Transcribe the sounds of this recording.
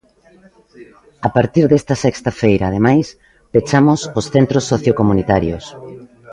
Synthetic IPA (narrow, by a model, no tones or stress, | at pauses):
apaɾt̪iɾðest̪ɐsɛkst̪ɐfejɾaːð̞emajs | pet͡ʃamososθent̪ɾosːoθjokomunit̪aɾjos